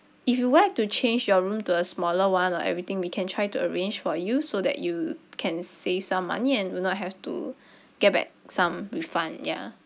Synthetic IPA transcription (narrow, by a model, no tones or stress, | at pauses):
ifjuwlaɛk̚tut͡ʃʰẽnd͡ʒjɔɹũmtuəsmɔləwãnɔʔɛ̰vɹit̪ɪ̃ŋwikʰɛ̃ntʰɹaɪtuəɹẽnd͡ʒfɔjusodɛ̰ʔjukʰɛ̃nsev̥sãmːa̰niɛ̃nwinɔt̚ɦɛftṵ | ɡ̥ɛt̚bɛ̰k̚sãmɹifãnja̰